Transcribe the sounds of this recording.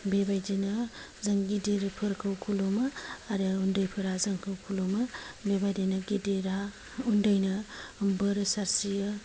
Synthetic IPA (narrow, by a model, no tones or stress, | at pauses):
bebajdinɐ | zɐŋɡidiɾpʰɯɾkʰɯwkʰulomɯaɾɯundəjpʰɯɾazɐŋkʰɯwkʰulomɐbebajdinɐɡidiɾa | undəjnɐmbɯɾsaɾsijɯ